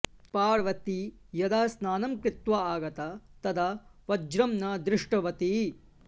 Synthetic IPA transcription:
paːɾʋɐt̪i | jɐd̪aːɐsnaːnɐmkɾɪt̪ʋaaːɡɐt̪ɐt̪ɐd̪ɐʋɐd͡ʒɾɐmnɐd̪ɾɪʂʈɐʋɐt̪i

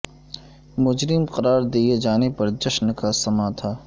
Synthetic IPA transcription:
mʊd͡ʒɾɪmqɐɾaːɾd̪ied͡ʒaːnepɐɾd͡ʒɐʃnkasɐmat̪ʰaː

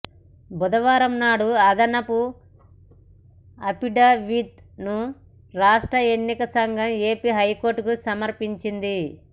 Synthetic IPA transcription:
bud̪ɐʋaːɾɐmnaːɽuɐd̪ɐnɐpu | ɐpiɖaʋit̪̚ | nu | ɾaːʂʈɾɐenːikɐsɐŋɡʱɐme̞ːpiɦɐjko̞ːɾʈukusɐmɐɾpiɲt͡ʃind̪i

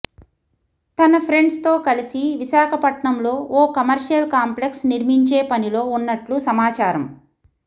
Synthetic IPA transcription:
t̪ɐnɐpʰɾe̞ɳɖst̪o̞ːkɐlisiʋiʃaːkʰɐpɐʈɳɐmlo̞ːʔoːkɐmɐɾʂɐlkaːmple̞ksniɾmiɲt͡ʃeːpɐnilo̞ːunːɐʈlusɐmaːt͡ʃaːɾɐm

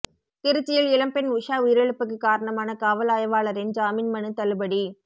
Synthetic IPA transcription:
t̪ɪɾɯt͡ʃːɪjɐlɪlɐmpɛnʋʊʂaːʊjɪɾɐɭɯpːɯk̬ːɯkːaːɾɐɳɐmaːnɐkaːʋɐlaːjɐʋaːɭɐɾɪnd͡ʒaːminmɐnɯt̪ɐlɯbɐɽi

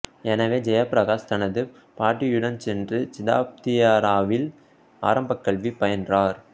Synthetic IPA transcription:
ɛnɐʋeːd͡ʒɛjɐpɾɐɣaːst̪ɐnɐðɯ | paːʈːijʊɽɐnsɛndrɯt͡ʃɪða̰ːp̚t̪ɪjaːɾaːʋɪl | a̰ːɾɐmbɐkːɐɭʋipɐjɐndraːɾ

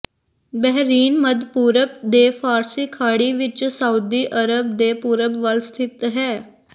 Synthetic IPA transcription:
bɛɦɾiːnməd̪puːɾəp̚d̪eːpʰaːɾsiːkʰaːɽiːʋɪt͡ʃsauːd̪iːʔəɾəbd̪eːpuːɾəbʋəlst̪ʰɪt̪ɦɛː

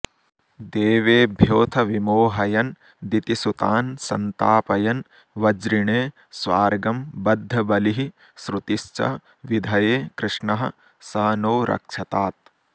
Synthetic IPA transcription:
d̪eːʋeːbʱjoːt̪ʰɐʋimoːɦɐjɐn | d̪it̪isut̪aːnsɐ̰nt̪aːpɐjɐn | ʋɐd͡ʒɾiɳeː | sʋaːɾɡɐmbɐd̪ʱːɐbɐliɦi | sɾut̪iʃt͡ʃɐ̰ | ʋid̪ʱɐjeːkɾɪʂɳɐɦɐ̰̆ | saːnoːɾʔɐ̰kʂɐt̪aːt̪̚

